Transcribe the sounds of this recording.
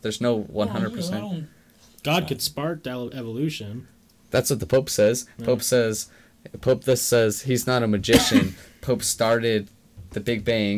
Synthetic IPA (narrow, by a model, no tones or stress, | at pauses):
ðə˞znoʊwʌ̃nɦʌ̃ndɹəd̚pʰə˞sɛ̃n | ɡ̥ɑd̚kɨd̥spɑɹt̚d̥aʊɾʌvɛvəlʉʃɨ̃n | ðætswʌt̪̚ðəpʰoʊpsɛz̥pʰoʊpsɛz̥ | pʰoʊp̚ðʌsɛz̥iznəɾəmɨd͡ʒɪʃɨ̃npʰoʊpstɑɹɾɪd̪̚ | ðɨbɪɡ̚bæɪ̃ŋ